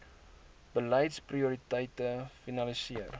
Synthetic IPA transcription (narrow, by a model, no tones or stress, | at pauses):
b̥əlɛjtspriuɾitəjtəfinɐlisiər